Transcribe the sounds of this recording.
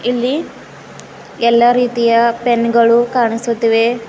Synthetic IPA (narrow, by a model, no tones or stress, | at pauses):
ilːi | ɛlːaːɾiːt̪ijɐpenɡɐɭukaːɳisut̪ːiʋe